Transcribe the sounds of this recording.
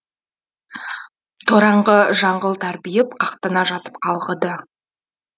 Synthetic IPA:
t̪ʰoɾɑɴʁəʒɑɴʁəlˠt̪ʰæɾbijɪp̚qʰɑqt̪ənɑʒɑt̪ə̥pqʰɑlˠʁəd̪ə

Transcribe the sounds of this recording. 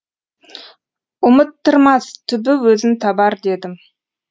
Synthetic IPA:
ʊmət̪ːəɾmɑst̪ʰʏbɪwɵzɪmt̪ʰɑbɑɾd̪e̞d̪ɪm

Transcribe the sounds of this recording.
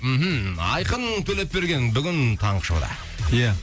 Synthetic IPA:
m̩ɦm̩ɑ̰jqənɴt̪ʰɵle̞pːe̞ɾɡʲe̞nbʏɡʲɪnt̪ʰɑɴqə̥ʃo̰wd̪ɑ̰ | ja

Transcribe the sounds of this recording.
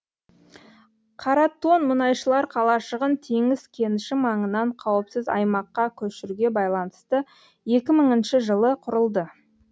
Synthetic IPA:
qʰɑɾɑt̪ːo̞nmʊnɑjʃəlˠɑɾqʰɑlˠɑʃəʁənt̪ʰe̞ŋɪzkʲʰe̞nɪʃɪmɑɴənɑɴqʰɑwəpsɪzɑ̰jmɑqːɑkʲʰɵʃɪɾuɡʲe̞bɑjlˠɑnəst̪ə | je̞kʲɪməɴənʃɪʒəlˠəqʰʊɾəlˠd̪ə

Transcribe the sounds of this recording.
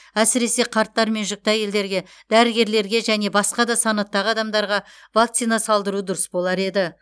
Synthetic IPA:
æsɪɾe̞se̞qʰɑɾt̪ːɑɾme̞nʒʏk̚t̪ɑje̞ld̪e̞ɾɡʲe̞ | d̪æɾɪɡʲe̞ɾle̞ɾɡʲe̞ʒæne̞bɑsqɑd̪ɑsɑnɑt̪ːɑʁəɑd̪ɑmd̪ɑɾʁɑ | vakt̪sijnɑsɑlˠd̪əɾud̪ʊɾəsbo̞lˠɑɾe̞d̪ɪ

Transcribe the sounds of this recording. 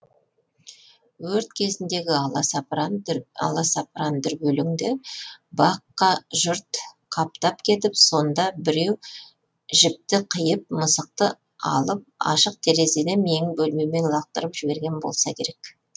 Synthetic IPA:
wɵɾt̪kʲʰe̞zɪnd̪e̞ɡʲɪɑlˠɑs | ɑ̰lˠɑsɑpɾand̪ɪɾbɵlɪŋd̪ɪbɑqːɑʒʊɾt̪ | qʰɑp̚t̪ɑpkʲʰe̞t̪ɪpso̞nd̪ɑbɪɾe̞w | ʒɪp̚t̪ɪqʰəjəp̚məsəq̚t̪ə | ɑ̰lˠəp̚ɑ̰ʃəq̚t̪ʰe̞ɾe̞ze̞d̪eme̞ŋɪbɵlme̞me̞nlˠɑq̚t̪əɾəpʒ̥ɪbe̞ɾɡʲe̞nbo̞̰lˠsɑkʲʰe̞ɾe̞k

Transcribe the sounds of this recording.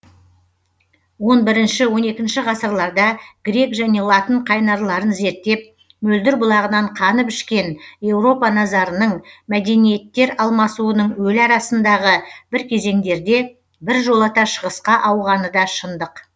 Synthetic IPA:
wo̞nbɪɾɪnʃɪwo̞ne̞kʲɪnʃɪʁɑsəɾlˠɑɾd̪ɑɡ̥ɾʲe̞kʒæne̞lˠɑt̪əɴqʰɑjnɑɾlˠɑɾənze̞ɾt̪ːe̞p̚ | mɵld̪ɪɾbʊlˠɑʁənɑɴqʰɑnəpʏʃkʲe̞nje̞wɾo̞pɑnɑzɑɾənəɴmæd̪e̞nije̞t̪ːe̞ɾɑlˠmɑsuənəɴwɵlɑɾɑsənd̪ɑʁəb̥ɪɾkʲʰe̞ze̞ŋd̪e̞ɾd̪e̞ | bɪɾʒo̞lˠɑt̪ɑʃəʁəsqɑʔɑwʁɑnəd̪ɑʃənd̪əq

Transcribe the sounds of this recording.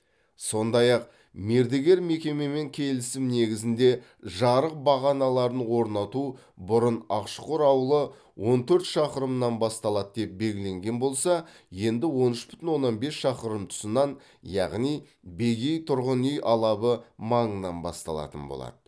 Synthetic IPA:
so̞nd̪ɑjɑq̚ | me̞ɾd̪eɡʲe̞ɾme̞kʲe̞me̞me̞ŋkʲʰe̞lɪsɪmne̞ɡʲɪzɪnd̪e̞ | ʒɑɾəq̚bɑʁɑnɑlˠɑɾənwo̞ɾnɑt̪u | bʊɾənɑqʃəqʊɾɑwəlˠə | wʔo̞nt̪ʰɵɾt̪ʃɑqəɾəmnɑnbɑst̪ɑlˠɑd̪d̪e̞p̚be̞lʲɡʲɪle̞ŋɡʲe̞nbo̞lˠsɑ | je̞nd̪ɪwo̞nʏʃbʏ̥t̪ɪnwo̞nːɑnbe̞sʃɑqəɾəmt̪ʰʊ̥sənɑn | jɑ̰ʁnij | be̞ɡʲe̞jt̪ʰʊɾʁənʏjʔɑlˠɑbəmɑɴənːɑnbɑ̰st̪ɑ̰lˠɑ̰t̪ənbo̰lˠɑ̰d̪̥ə

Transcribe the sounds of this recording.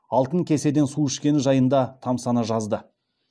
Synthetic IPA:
ɑlˠt̪əŋkʲe̞se̞d̪e̞nsuɪʃkʲe̞nɪʒɑjənd̪ɑt̪ʰɑmsɑnəʒɑzd̪ə

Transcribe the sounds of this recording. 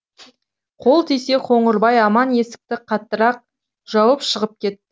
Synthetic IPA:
qʰo̞lˠt̪ʰijse̞qʰo̞ɴəɾbɑjɑmɑnje̞sɪ̥k̚t̪ɪqʰɑt̪ːəɾɑq̚ | ʒ̥ɑwəpʃəʁəp̚kʲʰe̞t̪ːɪ

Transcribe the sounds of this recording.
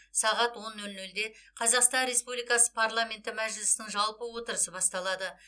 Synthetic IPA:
sɑʁɑt̪wo̞nːɵlnɵld̪e̞qʰɑzɑqst̪ɑnɾe̞spublijkɑsə̥pʰaɾlˠamʲe̞nt̪ɪmæʒlɪsɪnɪŋʒɑlˠpəwo̞t̪əɾəsəbɑst̪ɑlˠɑd̪ə

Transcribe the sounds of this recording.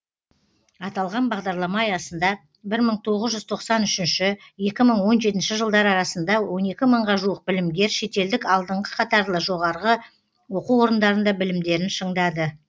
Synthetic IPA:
ɑt̪ɑlˠʁɑnbɑʁd̪ɑɾlˠɑmɑɑjɑsənd̪ɑ | bɪɾməɴt̪ʰo̞ʁəzʒʏzt̪ʰo̞qsɑnʏʃɪnʃɪje̞kʲɪməɴwo̞nʒe̞t̪̬ɪnʃɪʒəlˠd̪ɑɾɑɾɑsənd̪ɑwo̞ne̞kʲɪməɴʁɑʒuəq̚bɪlɪmɡʲe̞ɾʃe̞t̪e̞ld̪ɪkɑlˠd̪əɴʁə̥qʰɑt̪ɑɾlˠəʒo̞ʁɑɾʁə | wo̞quwo̞ɾənd̪ɑɾənd̪ɑbɪlɪmd̪e̞ɾɪnʃəɴd̪ɑd̪ə

